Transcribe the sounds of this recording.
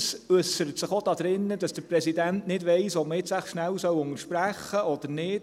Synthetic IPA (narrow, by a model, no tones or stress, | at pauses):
søsəɾətsɪχod̥ɑd̥̪ɾɪnːəd̥ɑsd̥əɾprɛsidæntnɪdʋeɪsɔp̚məɪtsæχʃnæwsœwʊnəʃpɾæχːəʔɔd̥̪əɾnɪːd